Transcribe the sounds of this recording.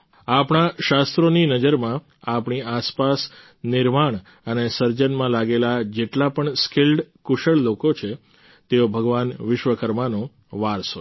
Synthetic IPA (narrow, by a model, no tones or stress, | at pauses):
apɳaʃast̪ɾoninəd͡ʒəɾmã | apɳiaspas | nɪɾmaɳ̃ | ənesəɾd͡ʒənmãlaɡelad͡ʒeʈlapəɳskɪlɖkʊʃəɭlokot͡ʃʰe | t̪eobʱəɡʋanʋɪʃʋəkəɾmanõ | ʋaɾso